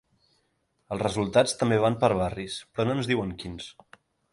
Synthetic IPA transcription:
əlˠzrəzulˠt̪at͡st̪əmbeβ̞ampəɾβarispɾɔnoənzðiwəŋkins

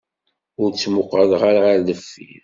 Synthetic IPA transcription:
ʊɾt͡sːmʊqːəðʁaɾʁaɾðəfːḭ

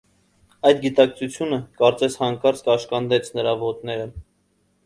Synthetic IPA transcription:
ɑjd̪ɡit̪ɑk̚t͡sʰut͡sʰjunəkɑɾt͡sɛshɑŋkɑɾt͡skɑʃkɑnd̪ɛt͡sʰnəɾɑvɔt̪nɛɾə

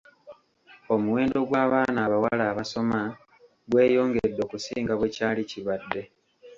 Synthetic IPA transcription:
o̞muwe̞ːndo̞ɡwaːβaːnaːβawalaːβaso̞ma | ɡwe̞ːjo̞ːŋɡedːo̞ːkusiːŋɡaβwe̞caːliciβadːe̞

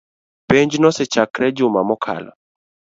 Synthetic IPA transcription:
pɛɲd͡ʒnɔsɛt͡ʃakɾɛd͡ʒʊmamɔkʰa̰la̰

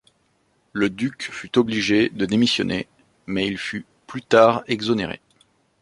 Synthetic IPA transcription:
ləd̪ykfyt̪ɔbliʒed̪əd̪emisjɔ̰nʔḛ | mɛilfy | plyt̪aʁɛɡzɔneʁḛ

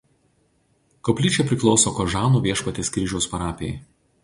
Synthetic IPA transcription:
kɔpʲlʲiːt͡ʃʲɛpʲɾʲɪklˠɒʊsoːkɔʒɑːnuːʋʲiɛʃpɐt̪ʲeːskʲɾʲɪʒʲɛʊspɐɾɑːpʲej

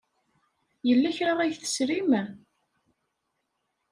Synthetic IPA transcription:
jəlːæçɾaʁˤæjθə̥sɾimæ

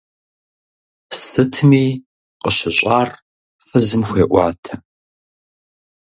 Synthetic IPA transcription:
sɨtʰmiː | qəɕɪɕʼaːr | fɐzɨmxʷeːʔʷɑːtʰɐ

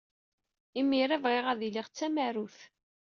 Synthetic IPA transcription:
imːiɾævʁiʁæðiliʁt͡sːæmæɾuθ

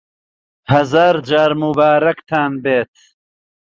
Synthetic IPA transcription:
hɐzaːɾd͡ʒaːɾmubaːɾɐkt̪ʰaːnbeːt̪

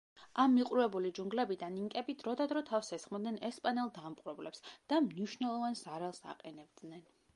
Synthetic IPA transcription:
amːiqʼɾuvɛbulid͡ʒuŋɡlɛbid̪aniŋkʼɛbid̪ɾɔd̪ad̪ɾɔt̪ʰafsɛsχmɔd̪nɛnɛspʼanɛlˠd̪amqʼɾɛblɛpsd̪̥amniʃnɛlˠɔvanzaɾalˠsa̰qʼɛnɛb̚d̪nɛn

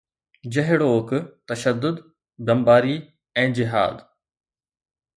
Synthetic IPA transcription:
d͡ʑɐɦɪɽoːkt̪ɐʃəd̪ːʊd̪ | d̪ɐmbaːɾi | ɛ̃ːd͡ʑɪɦa̰ːd̪

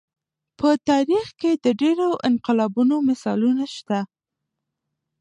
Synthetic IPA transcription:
pət̪ɑɾixked̪əɖeɾoʔɪnqɪlɑbunomɪsɑlunaʃt̪a

